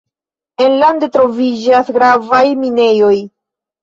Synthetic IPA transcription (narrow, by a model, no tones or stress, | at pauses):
e̞nlandetɾo̞vid͡ʒasɡɾavajmine̞jo̞j